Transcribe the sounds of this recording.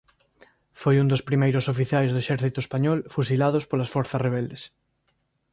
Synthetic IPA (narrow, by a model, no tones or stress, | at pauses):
fojund̪ospɾimejɾosofiθjajzðoeʃɛɾθit̪oespaɲɔlfusilað̞ospolasfɔɾθɐzreβ̞ɛld̪es